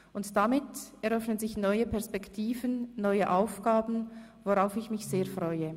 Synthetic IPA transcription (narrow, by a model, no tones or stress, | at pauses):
ʔʊntd̥amɪtɛʁœfnənzɪçnɔʏəpɛʁspɛktʰiːvənːɔʏəʔaʊfɡ̥aːbn̩ | voʁaʊfɪçmɪçseːɐfʁɔʏə